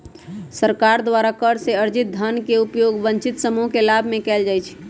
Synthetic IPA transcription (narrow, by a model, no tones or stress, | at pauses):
səɾkaɾd̪waɾakəɾseəɾd͡ʒit̪̚d̪ʱənkeupjoɡbə̃ɲt͡ʃit̪səmuɦkelabʱmekɛld͡ʒajt͡ʃʰ